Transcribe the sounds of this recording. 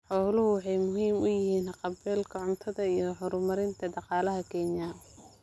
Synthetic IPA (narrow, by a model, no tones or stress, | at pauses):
ħɔːlʊhʊwɑħɑjmʊɦiːmʊjɪhiːnhɑqɑbɛːlkʰɐʕʊnt̪ʰɐðɐijɞhɔɾʊmɐɾɪnt̪ʰɐɖɑqɑːlɐɦɐkʰɛːɲja